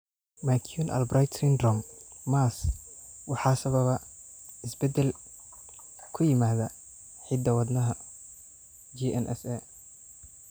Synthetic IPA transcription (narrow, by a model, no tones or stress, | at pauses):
makʰjunʔɐ̰lbrajt̪ʰrind̪rɔmmaːswɑħɑːsɐβɐβɐɪsbɛd̪ɛl | kʰʊjɪmaːðɐ | ħɪd̪ɐwɑd̪nɐɦɐ | d͡ʒiʔɛnʔɛ̰sɛ